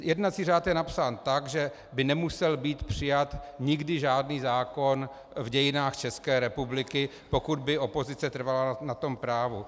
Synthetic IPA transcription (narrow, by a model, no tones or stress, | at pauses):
jɛdnat͡siːraːt̪jɛnapsaːnt̪aɡʒɛ | bɪnɛmusɛlbiːt̪pr̝̥ɪjat̪ɲɪɡdɪʒaːdniːzaːko̞n | vɟɛjɪnaːxt͡ʃɛskɛːɾɛpublɪkɪ | po̞kud̪̚bɪʔo̞po̞zɪt͡sɛt̪r̩valanat̪o̞mpɾaːvu